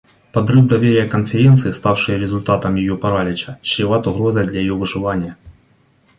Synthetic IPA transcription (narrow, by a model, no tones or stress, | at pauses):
pɐd̪rɨvd̪ɐvʲeɾʲɪjəkɐnfʲɪɾʲent̪sɨːst̪afʂɨjəɾʲɪzʊlʲt̪at̪ɐmjɪjopɐɾalʲɪt͡ɕɐ̥t͡ɕːɪvat̪ʊɣɾozɐjd̪lʲɐjɪjovɨʐɨvanʲɪjə